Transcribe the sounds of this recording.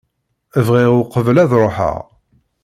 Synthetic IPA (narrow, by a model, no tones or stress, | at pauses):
əvʁɪʁʊqəvəlæðɾˤoħə̰ʁ